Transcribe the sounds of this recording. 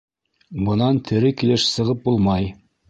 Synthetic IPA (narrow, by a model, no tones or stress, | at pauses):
bɤ̆nɑnt̪ʰɘ̆ɾɘkilɘʃsɤ̆ʁɤp̚bulˠmɑj